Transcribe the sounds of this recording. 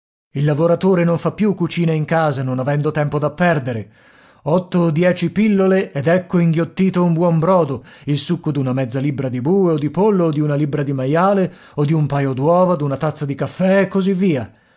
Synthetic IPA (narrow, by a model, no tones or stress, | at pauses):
ilːavoɾat̪oːɾenoɱfapːjukːut͡ʃiːnaiŋkaːzanonavɛnd̪ot̪ɛmpod̪apːɛrd̪eɾe | ɔt̪ːoːd̪jɛːt͡ʃipilːoleɛd̪ɛkːoiŋɡjot̪ːiːt̪oumbwɔmbɾɔːd̪oilsukːod̪unamɛd̪zːalibːɾad̪ibuːeod̪ːipolːoːd̪ːiunalibɾad̪imajaːle | od̪iumpajod̪wɔːvad̪unat̪at̪sːad̪ikafːɛːkːozivːiːa